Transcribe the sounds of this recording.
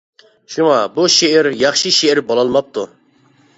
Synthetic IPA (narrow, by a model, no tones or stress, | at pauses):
ʃumɑbuʃeʔɪɾjɑχʃiʃeɾbolˠɑlˠmɑp̚t̪ʰu